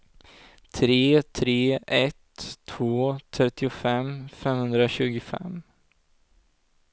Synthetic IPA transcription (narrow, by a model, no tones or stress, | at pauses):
t̪ʰɾeːt̪ʰɾeːʔɛt̪ʰːvoːt̪ʰɾɛt̪ːɪʊfɛmfɛmhɵnd̪ɾaɕʉ̟ːɡʊfɛ̰m